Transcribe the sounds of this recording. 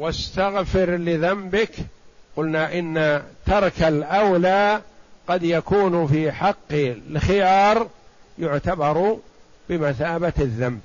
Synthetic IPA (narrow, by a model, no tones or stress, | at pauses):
wast̪aɣfɪɾlɪðambɪkqʊlnaʔɪnːat̪ɑɾˤkalʔawlaːqɑd̪jakuːnfiːħɑqːlxɪjɑːɾˤjʊʕt̪abɑɾˤ | bɪmaθaːbaaðːamb̚